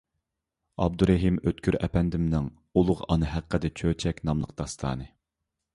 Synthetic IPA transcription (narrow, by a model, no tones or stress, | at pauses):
ɑb̚d̪uɾɛɦimøt̪kʲʰyɾɛ̰pɛnd̪ɪmnɪŋ | ulˠʊʁɑnɨɦæqːəd̪ɛt͡ʃʰøt͡ʃʰɛkʲnɑmlˠəq̚d̪̥ɑst̪ʰɑ̰ːnɨ